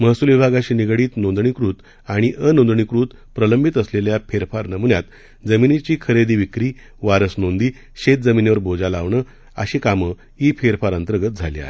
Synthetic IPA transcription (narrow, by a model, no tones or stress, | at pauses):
məɦsuːlʋibʱaɡaɕiːniɡɽiːt̪nõnd̪ɳikɾut̪ | aɽ̃iʔənond̪ɳikɾuːt̪ | pɾələmbʱit̪əsleljapʰeɾfaɾnəmunjat̪ | d͡zəminit͡ɕiːkʰəɾed̪iːʋikɾiː | ʋaɾəsnond̪iː | ɕet̪̚d͡zəmineʋəɾbʱod͡zalaʋɳə | ə̰ɕikamə | ifʰeɾfaɾənt̪ɾəɡət̪̚d͡zʱalia̰ɦe